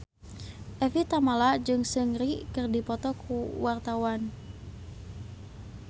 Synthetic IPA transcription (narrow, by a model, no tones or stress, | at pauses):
ʔɛfit̪amalad͡ʒɨŋsəŋrikərdipɔt̪ɔkʰuwart̪awan